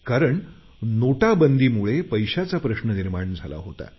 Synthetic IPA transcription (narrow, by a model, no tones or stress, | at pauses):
kaɾəɳ | noʈabənd̪iːmuɭepəjɕat͡sapɾəɕnəniɾmaɳd͡zʱala̰ɦot̪a̰